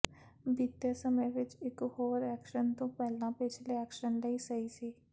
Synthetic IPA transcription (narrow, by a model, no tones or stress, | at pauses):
bit̪jasəməjʋɪt͡ʃɪkɦoːɾɛːkʃənt̪õːpɛːlãːpɪt͡ʃʰleɛːkʃənləisəisiː